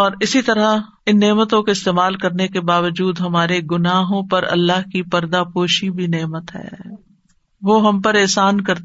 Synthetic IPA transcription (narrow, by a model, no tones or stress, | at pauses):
ɔːɾɪsit̪ɐɾa | ɪnːeːmət̪õkoɪst̪eːmaːlkɐɾnekebaːʋəd͡ʒuːd̪ɦɐmaːɾeɡʊnaːɦõpɐɾɐ̰lːaːɦkipɐɾd̪apoːʃibʱineːmət̪ɦɛ̰ː | ʋoɦɐmpɐɾɛːsaːnkɐɾt̪